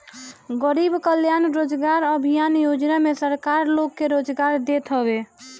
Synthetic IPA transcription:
ɡəɾibkəljanɾod͡ʒɡaɾəbʱijanjod͡ʒnamesəɾkaɾlokːeɾod͡ʒɡaɾd̪et̪ɦəbe

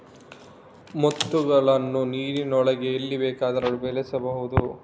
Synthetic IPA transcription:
mot̪ːuɡɐɭɐnːuniːɾinɔɭɐɡe̞ːlːibeːkaːd̪ɐɾɐɭubelɛsɐbɐɦud̪u

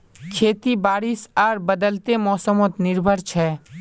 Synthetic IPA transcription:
kʰeːt̪ibaːɾisaːɾbəd̪əlt̪emɔːsəmot̪nɪɾbʱəɾt͡ʃʰɛ

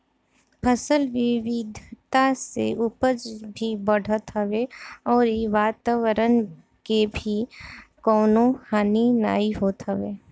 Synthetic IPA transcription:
pʰəsəlʋɪʋɪd̪ʱt̪asḛʔʊpəd͡ʒbʱibəɽ̤ʱət̪ɦəʋeɔːɾeʋaːt̪aːʋəɾən | kebʱikɔːnõhaːnina̰ːiɦoːt̪ɦəʋeː

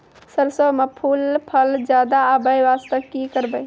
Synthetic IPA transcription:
səɾsəbmepʰulpʰəld͡ʒad̪aːbəjʋast̪əkːikəɾbəj

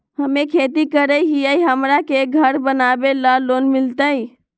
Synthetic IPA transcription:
həmekʰet̪ikəɾəjɦiəjɦəmɾakeɡʱəɾbənabelalonmilt̪əj

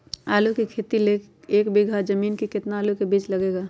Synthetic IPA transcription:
aːlukikʰeːt̪ileːk | eːkbiɡʱad͡ʒəmiːnkikɪt̪naːlukebiːt͡ʃlɐɡeːɡaː

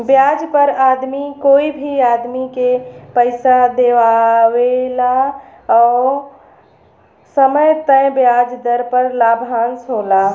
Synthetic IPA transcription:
bjaːd͡ʒpəɾaːd̪mikoːibʱiaːd̪mikepəɪsad̪eʋawela | ɔː | səməjt̪ə̃jbjad͡ʒd̪əɾpəɾlaːbʱaːnsɦoːla

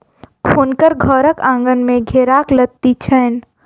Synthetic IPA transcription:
kʰoːnkəɾɡʱəɾəkãːŋɡənmẽɡʱeːɾaklət̪ːit͡ʃʰəːn

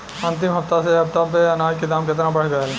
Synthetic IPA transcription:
ɐ̃nt̪̬ɪmɦɐft̪aseɦɐpt̪apeɐnaːd͡ʒkid̪aːmkɪt̪̬nabɐɽ̤ɡɐjal

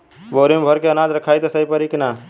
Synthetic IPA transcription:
boːɾemebʱəɾkeənad͡ʒɾəkʰajt̪əsəjpəɾikna

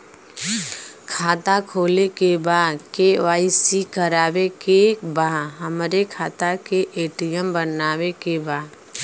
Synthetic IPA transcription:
kʰaːt̪akʰoːlekebaːd̪keʋaːɪsikəɾaːwekebaːɦəmɾekʰaːt̪akeʔeːʈijəmbənaːwekebaːd̪

